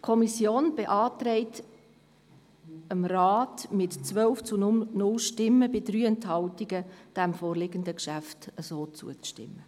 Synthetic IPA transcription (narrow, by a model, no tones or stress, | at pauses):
kʰɔmisjoːnb̥eʔɑːt̪ɾɛɪt | əmraːtmɪtt͡sʋœlft͡sunʊnʊlʃtɪmːəbɪdɾyːɛnthɑltiɡəd̥æmfoːrlɪɡəndəkʃæftəsoːt͡sṵət͡sʃtɪ̰mːə